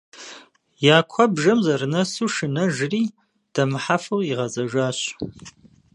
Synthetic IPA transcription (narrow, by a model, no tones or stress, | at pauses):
jaːkʷʰɐbʒɐmzɐrnɐsuʂɨnɐʒriː | d̥ɐmħafɨliʁɐzɐʒaːɕ